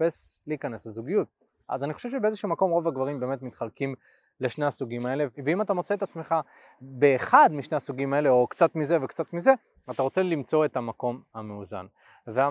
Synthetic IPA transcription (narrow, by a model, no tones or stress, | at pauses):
pesleːkaneslezuɡijut̚ | ʔa̰zaniχo̞ʃevʃebeezeʃuːmako̞mʁo̞vaɡvaʁimbe̞ːme̞t̪mitχalkim | leʃne̞hasuɡimae̞le̞veimat̬amo̞t͡se̞ːt̪at͡sme̞χa | be̞ːχad̪miʃneasuɡimae̞leo̞kt͡sat̪mize̞vekt͡sat̪mize̞ | at̪aʁo̞t͡se̞limt͡so̞e̞tamako̞mhameuza̰n | vea